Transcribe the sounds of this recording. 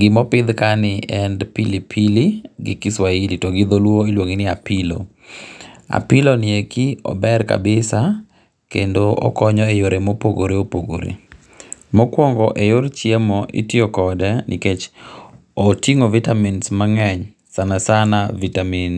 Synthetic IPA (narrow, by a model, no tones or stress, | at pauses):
ɡɪmɔpɪd̪kanɪɛndpilipʰiliɡɪkɪswailitoɡid̪olwoilwoŋinɪapʰilo̰ | a̰pɪlonɪekiɔ̰bɛrka̰bɪsa | kendoɔ̰kɔɲɔejoɾemopoɡoɾeopoɡo̰ɾḛ | mɔkwɔŋɡɔʔejoɾt͡ʃjemɔʔḭtjokɔdɛnʔɪ̰ket͡ʃ | otiŋovitaminsmaŋɛɲ | sanasanavitamin